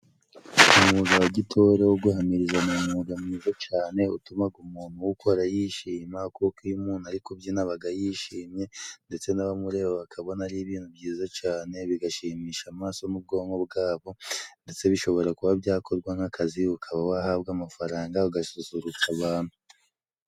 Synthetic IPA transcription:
umuɡawaɟitʰoɾewoɡuhamiɾizamumuɡamŋiːzot͡ʃaːne̞utumaɡumuːn̥huwukʰoɾajiʃiːmakukijumuːnuaɾikobjinaβaɡajiʃiːmɲe̞nde̞t͡se̞naβamuɾe̞ːββakʰaβo̞naɾiβiːn̥hubɟiːzat͡ʃaːne̞βiɡaʃiːmiːʃamaːso̞nub̚ɡo̞ːŋɡo̞bɡaːβo̞nde̞t͡se̞βiʃo̞βo̞ɾakuβabjaːkʰo̞ɾɡwaŋ̥akʰaziukʰaβawahaβɡamafaɾaːŋɡauɡasuzuɾukaβaːn̥hu

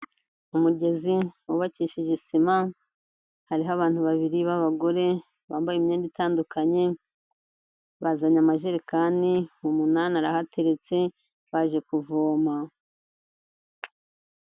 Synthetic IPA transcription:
umuɟe̞ziwuβaciːʃiʒesima | haɾiɦaβaːn̥huβaβiɾiβaβaɡo̞ɾe̞ | βaːmbajimɲeːnditaːndukaɲe̞ | βazaɲamaʒeɾekaːniumunaːnaɾahate̞ɾe̞t͡se̞ | βaʒe̞kuvoːma

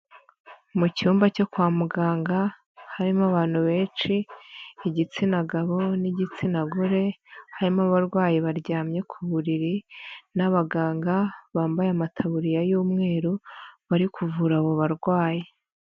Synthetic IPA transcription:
muciuːmbaco̞kwaːmuɡaːŋɡa | haɾimaβaːn̥huβe̞ːt͡ʃiː | ɟit͡sinaɡaβo̞niɟit͡sinaɡuɾe̞haɾimaβaɾɡwaːjiβaɾɟaːmɲe̞kʰuβuɾiɾinaβaɡaːŋɡaβaːmbajamatʰaβuɾijajuːmŋe̞ːɾuβaɾikʰuvuɾaβoβaɾɡwaːji

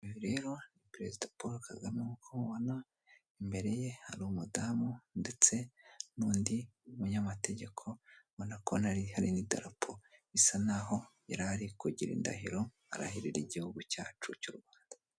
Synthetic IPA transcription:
iβiɾe̞ːɾonipɾe̞zidapoɾakaɡamjaŋukʰouβona | imbe̞ɾe̞je̞ha̰ɾumudaːmunde̞t͡se̞nuːndiumuɲamate̞ɟe̞kʰo̞βonakʰo̞naɾihaɾinida̰ɾapʰoβisanaɦo̞ | eɾaaɾikuɟiɾḭːnda̰hiɾo̞ | a̰ɾa̰hiɾiɾiɟihuɡuca̰ːt͡ʃucuɾwaːnda

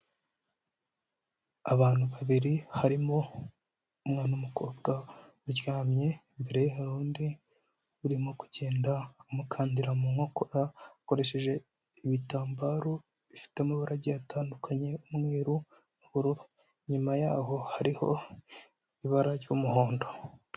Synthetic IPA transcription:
aβaːn̥huβaβiɾihaɾimo̞ | umŋaːnaumukoːɡa | uɾjaːmɲe̞ | mbe̞ɾe̞jeɦaɾuːndi | βuɾimo̞ku̥ɟeːndaumukʰaːndiɾamuŋo̞ko̞ɾako̞ɾe̞ʃe̞ʒe̞ | iβitaːmbaɾo | βifi̥temuβuɾaɟiataːndukaɲe̞umŋiːɾu | nuβuɾuɾo | ɲimajaːho̞haɾiho̞ | iβaɾaɾjomuho̞ːndo̞

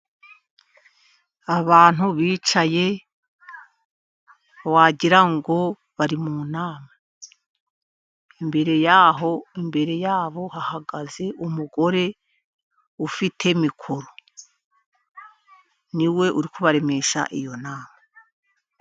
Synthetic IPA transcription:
aβaːn̥huβiːt͡ʃaje̞ | waːɟiɾaŋɡo̞ | βaɾimunaːma | imbe̞ɾe̞jaːɦo̞imbe̞ɾe̞jaːβo̞hahaɡaze̞ʔumuɡo̞ɾe̞ | ufitʰe̞mikʰuɾo | niwe̞ʔuɾikʰuβaɾe̞me̞ʃa̰ʔijonaːma

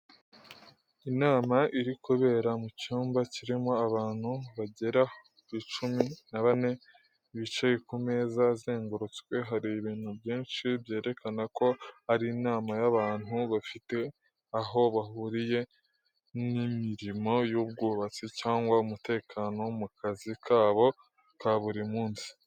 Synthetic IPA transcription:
inaːmaʔiɾikoβe̞ːɾamucuːmbaciɾimo̞aβaːn̥huβaɟe̞ɾakwit͡ʃuminaβane̞ | iβit͡ʃejekumeːzazeːŋɡoɾot͡skwe̞ɦaɾiβiːn̥hubjiːnʃibje̞ːɾe̞kʰanako̞aɾinaːmajaβaːn̥uβafite̞ | aɦo̞βaɦuɾije̞ | nimiɾimo̞jub̚ɡuːβat͡sicaːŋɡwaumute̞ːkʰano̞mukazikʰaːβo̞ | kaβuɾimuːnsi̥

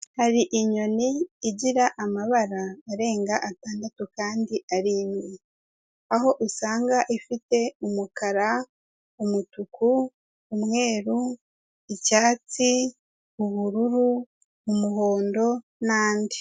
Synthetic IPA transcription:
haɾiʔiɲo̞niːɟiɾaʔamaβaɾaːɾe̞ːŋɡaʔataːndatukaːndiʔaɾiːnwe | aɦo̞ʔusaːŋɡaʔifite̞umukaɾa | umutukʰuː | mŋe̞ːɾu | icaːt͡si | uβuɾuɾuː | muɦo̞ːndo̞ | naːndi̥

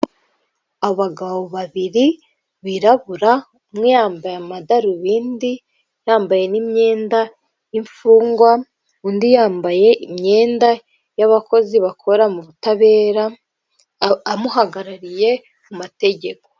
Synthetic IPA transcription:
aβo̞βaɡaβo̞βaβiɾi | βiɾaβuɾa | mŋijaːmbajamadaɾuβiːndi | jaːmbaje̞nimɲe̞ːnda | iɱfuːŋɡwa | undijaːmbaje̞ʔimɲe̞ːnda | jaβako̞ziβakʰo̞ɾamuβutaβe̞ːɾa | amuɦaɡaɾaɾije̞ | mumate̞ɟe̞ko̞̥

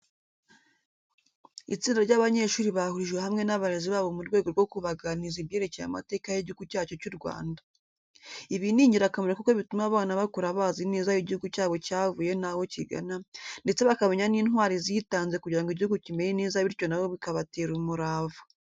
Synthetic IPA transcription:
ḭt͡siːndaɾɟaːβaɲe̞ʃuːɾiβahuɾiʒɡwehamŋe̞naβaɾeziβaːβomuɾɡwe̞ːɡo̞ɾɡo̞kuβaɡaniziβɟe̞ːɾe̞ce̞ja̰ma̰te̞ːkajiɟihuɡucaːt͡ʃo̞cuɾɡwa̰ːnda | iβiniːɲɟiɾakameɾakukoβitumaβaːnaβakuɾaβaːziniːzajiɟihuɡucaːβo̞caːvuje̞nawo̞ciɡa̰nande̞t͡seβakameɲaniːnhɦwaːɾizitaːnzekuɟiɾaŋɡiɟihuɡucime̞ɾiniːzaβiɾco̞naβoβikaβateːɾumuɾaːvu

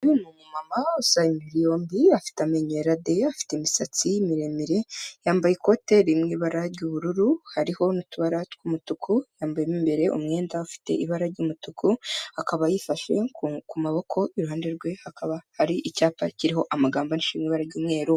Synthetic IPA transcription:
βinumumamausaimiɾijo̞ːmbiafi̥tameɲeɾade̞afi̥temisat͡simiɾe̞miɾe̞jaːmbajiko̞te̞ɾimŋiːβaɾaɾɟuβuɾuɾuhaɾiho̞nutuβaɾatkumutukʰujaːmbajemimbe̞ɾe̞ʔṵmŋe̞ːndaufi̥te̞̰ʔiβaɾaɾɟuːmutukuhakaβajifaʃe̞kkumaβo̞kʰo̞ʔiɾuɦaːndeɾɡwe̞hakaβahaɾiʔicaːpaciɾiɦo̞ʔamaɡaːmbaniʃiːmŋiːβaɾaɾɟuːmŋe̞ːɾo

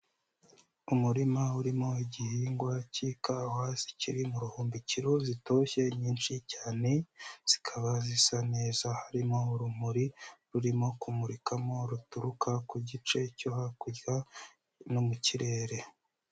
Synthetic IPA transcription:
umuɾimauɾimo̞iɟihiːŋɡwacikawazi̥ciɾimuɾuhuːmbiciɾozito̞ːçe̞ɲiːnʃicaːne̞z̥i̥kʰaβazisaneːzahaɾimo̞uɾum̥uɾiɾuɾimo̞kumuɾikʰamo̞ɾutuɾukʰakuɟit͡ʃe̞cohakuɟɡa | nomuciɾe̞ːɾe̞

